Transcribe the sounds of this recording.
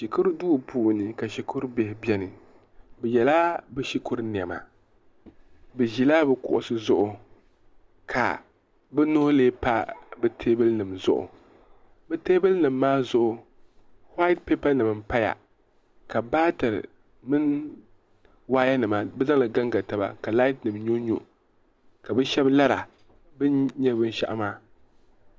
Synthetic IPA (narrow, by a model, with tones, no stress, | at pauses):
ʃi˨kʊ˦ɾduː˦˨pʰuː˨nɨ˨ka˨ʃi˨kʊ˦ɾbe˨hɪ˨bʲɛ˦nɨ˨ | bɛ˨jɛ˨la˦bɛ˦ʃi˦kʊ˦ɾni˨ɛ˨ma̰˨ | bɨ˨ʒi˨laː˦bɨ˨kʊ̰˨ʔʊ̰˨sɨ˦zʊ˦ʔʊ˨ | kʰa̰˨ | bɛ˦nʊ˦ʊ˦leː˦pa˦bɨ˦tʰe˦bɨ˦lnɨ˨mzʊ̰˦ʔʊ̰˨ | bɨ˦teː˦bɨ˦lnɨ˨mːaː˦zʊ˦ʔʊ˨ | hwa˦ɪ˦t̚pe˦pa˦nɨ˨m˨m̩pa˦ja̰˨ | ka˨baː˦tɨ˨ɾ̰ | mɨ˦n | waː˦ja˦nɨ˨maː˦bɛ˦za˦lɨ˨ɡa˦ŋɡa˨ta˨ba̰˨ka˨la˦ɪ˦tnɨ˨mɲo˦ɲṵ˦ | ka˨bɨ˦ʃɛ˦bla˦ɾa̰˨ | bɨ˦ɲɛ˦bɨ˦n˦ʃa̰˨ʔa˦maː˦˨